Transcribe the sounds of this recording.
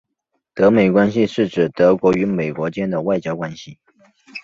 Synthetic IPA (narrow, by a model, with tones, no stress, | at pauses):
t̪ɤ˧˥me˨˩ɪkwa˥nɕi˧ʂɻ̩˥˩ʈ͡ʂɻ̩˨˩t̪ɤ˧˥kwɔ˧˥y˧˥me˨˩ɪkwɔ˧˥t͡ɕjɛ˥nd̪ə˨wa˥˩ɪt͡ɕjɑ˥ʊkwa˥nɕi˨